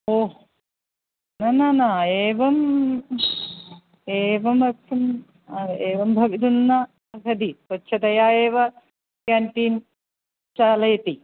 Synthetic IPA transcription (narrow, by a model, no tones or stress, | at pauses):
oː | nɐnanaeːʋɐm | eːʋɐmɐksɐm | ɐeːʋɐmbʱɐʋid̪unːɐ | ɐkɐd̪isotːʃʰɐd̪ɐjaːjeːʋɐ | kaːɳʈiːn | t͡ʃaːlɐjɐt̪i